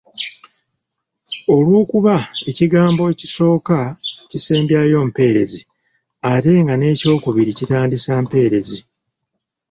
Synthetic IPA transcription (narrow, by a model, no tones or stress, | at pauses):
o̞lwoːkuβae̞ciɡaːmbo̞eciso̞ːkaciseːmbjajo̞ːm̩pe̞ːɾe̞zi | ate̞ŋɡane̞ːco̞ːkuβiɾicitaːndisaːmpe̞ːɾe̞zi